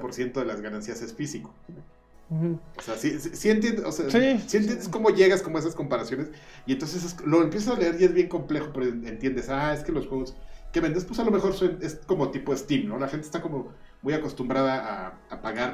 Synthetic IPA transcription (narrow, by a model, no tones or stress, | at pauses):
po̞ɾsje̞nt̪o̞ðe̞lazɣanansiase̞sfisiko̥ | oseasisisie̞nt̪̬jend̪eʔoseasisienjend̪esko̞mo̞ʝe̞ɣasko̞moe̞sasko̞mpaɾasjo̞ne̞s | ient̪o̞ns̬es̬eslo̞empjesasale̞eɾiezβjeŋko̞mple̞xo̞peɾoent̪je̞nd̪e̞sae̞ske̞lo̞sxweɣ̞o̞ske̞βend̪espwe̞salo̞me̞xo̞ɾsene̞sko̞mo̞t̪ipo̞est̪imno̞laxent̪est̪ako̞mo̞ | mujako̞st̪umbɾaðaː | apaɣaɾ